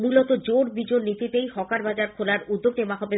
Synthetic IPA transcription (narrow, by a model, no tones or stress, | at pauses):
mulot̪od͡ʑoɽbid͡ʑoɾnit̪it̪ejhɔkaɾbad͡ʑaɾkʰolaɾud̪ːoɡnemakʰobe